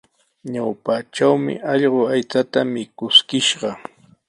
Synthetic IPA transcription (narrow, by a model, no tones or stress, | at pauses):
ɲawpaʈ͡ʂawmɪ̰ɑʎɢoajt͡sat̪amɪkʊskɪʃɢɑ